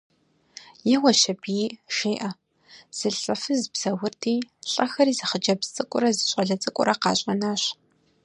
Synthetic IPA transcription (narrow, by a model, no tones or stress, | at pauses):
jɛʁɔʃɐbiːʃeːʔɐ | z̥ɨɬʼɐfɨzbz̥ɐwʊrtʰiːɬʼɐxɐɾiːzɨχəd͡ʒɐbt͡sʼɨkʷʼʊ̰ɾɐzɨɕʼɐɮɐt͡sʼɨkʷʼʊ̰ɾɐqɑ̰ːɕʼɐnaːɕ